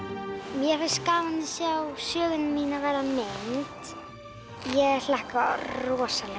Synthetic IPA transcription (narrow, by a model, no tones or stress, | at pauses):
mjɛvaskaːvanɪsjawsjœːɣʏnmiːnavɛːɾamɪnt̪ | jɛɣɛlahkarɔːsalɛ